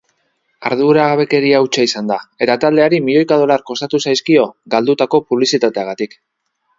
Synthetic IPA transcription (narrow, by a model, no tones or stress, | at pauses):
aɾðuɾaɣaβe̞ke̞ɾiawt͡ʃaisand̪ae̞t̪at̪ald̪e̞aɾimiʎo̞jkaðo̞laɾko̞st̪at̪usajskio̞ɡald̪ut̪ako̞puβlisit̪at̪e̞aɣat̪ik